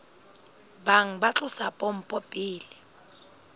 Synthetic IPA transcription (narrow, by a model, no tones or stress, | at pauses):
baŋ̩bat͡ɬʼʊsapʼom̩pʼɔpʼiːli